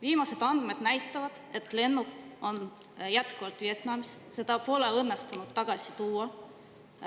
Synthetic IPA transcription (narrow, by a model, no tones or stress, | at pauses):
viːmɑse̞d̪̥ɑnd̪̥me̞d̪næjt̪ːˑɑvɑd̪̥e̞t̪ˑle̞nːuko̞njæt̪kuvɑlt̪vie̞t̪nɑmisse̞d̪̥ɑpo̞ːleɤnːest̪unud̪t̪ːɑɡ̥ɑsi̥t̪uːɑ